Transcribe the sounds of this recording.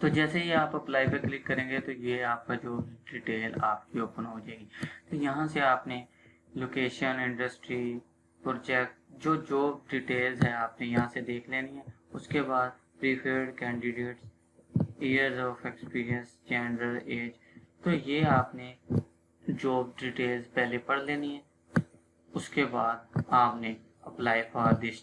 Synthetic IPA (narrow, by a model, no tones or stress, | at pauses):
t̪oːd͡ʒɛːsejeaːpɐplaːipeklɪkːɐɾẽːŋɡet̪ojeaːp̚kad͡ʒoːbɖiʈeːlaːpkiʊpənɦoːd͡ʒaːeɡit̪ojɐɦãseaːpne | loːkeːʃənɪ̃ɳɖəsʈɾi | pɾt͡ʃɛːk̚ʈd͡ʒoːd͡ʒoːb̚ɖiʈeːlzɦɛaːpnejɐɦãsed̪eːkʰleːniɦɛ̃ː | ʊskebaːd̪̚ | pɾiːpʰəɾɖkɛ̃ːɳɖɪɖeːʈs | iːəɾzɔːfekspiːɾiə̃nsd͡ʒɛ̃ːnɾəleːd͡ʒ | t̪ojeːaːpne | d͡ʒoːb̚ɖiːʈeːlzpɛɦlepɐɽleːniɦɛ̃ː | ʊskebaːd̪̚aːpne | ɐplaːipaːɾd̪eːʃ